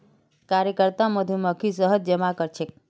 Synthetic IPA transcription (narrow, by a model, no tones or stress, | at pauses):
kaɾjəkəɾt̪aməd̪ʱjuməkʰisəɦəd̪̚d͡ʒəmakəɾt͡ʃʰe